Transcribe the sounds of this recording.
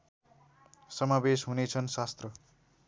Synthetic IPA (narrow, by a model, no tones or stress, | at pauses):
sʌmabesɦunet͡sʰʌnsast̪rʌ